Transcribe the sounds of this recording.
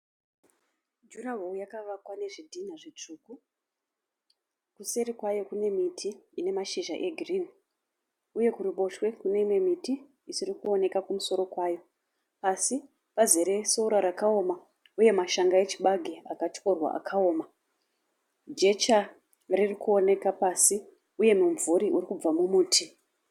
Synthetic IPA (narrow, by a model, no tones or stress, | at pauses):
d͡ʒuraɦoujakaʋakwane̞ʐidʱinaʐet͡ʂuku | kuse̞ɾikwajo̞kune̞mitʰiine̞maʃiʒa̰ʔe̞ɡʱirin | uje̞kuriɓo̞ʃwe̞kune̞imwe̞mitiː | sirikuo̞ne̞kakumuso̞ɾo̞kwajo̞ | pasi | pazeɾe̞souɾaɾakaoma | uje̞maʃaŋɡae̞t͡ʃiɓaɡʱeakat͡ʃko̞rwa̰ʔa̰kʰao̞ːma | d͡ʒe̞t͡ʃa | ririkuo̞ne̞kapasi | uje̞muɱvuɾiʔuɾikub͡vamumuːtʰi